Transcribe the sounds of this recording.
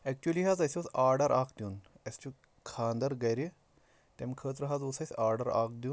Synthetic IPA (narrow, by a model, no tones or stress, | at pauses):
ɛk̚t͡ʃuɐliɦaːzɐsʲiosaːɾɖɐɾaːkd̪jun | ɐst͡ʃu | kʰaːnd̪ɐɾɡɐjɾi | t̪emkʰəːt̪ɾɐɦaːzosɐsʲaːɾɖɐɾa̰ːk̚d̪jun